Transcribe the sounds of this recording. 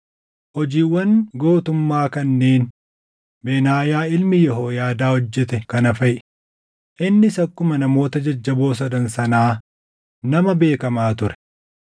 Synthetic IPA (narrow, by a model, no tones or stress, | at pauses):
hɔd͡ʒiːwːɐnɡo̞ːt̪ʊmːaːkɐnːe̞ːn | beːnaːjaːɪlmɪjɔɦoːjaːd̪aːhɔd͡ʒːɛt̪ɛkɐnɐfɐj | ʔɪnːɪsɐkːʊmɐnɐmo̞ːt̪ɐd͡ʒɐd͡ʒːɐbo̞ːs̬ɐd̪ɐnsɐnaː | nɐmɐbe̞ːkɐmaːt̪ʊɾɛ̥